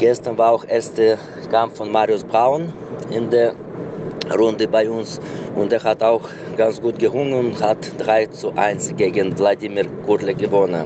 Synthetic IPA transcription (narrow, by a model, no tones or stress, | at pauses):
ɡ̥ɛstɐnvaːɐaʊxʔɛɐstə | kʰampffɔnmaːʁiʊsb̥ʁaʊn | ɪndeːɐ | ʁʊndəbaɪʊnsʔʊnteːɐɦataʊx | ɡ̥ant͡sɡ̥uːtɡ̥əʁʊŋənʊthatd̥ʁaɪt͡suʔa̰ɪnsɡ̥eːɡənvladiːmiːʁkʰʊləɡəvɔnən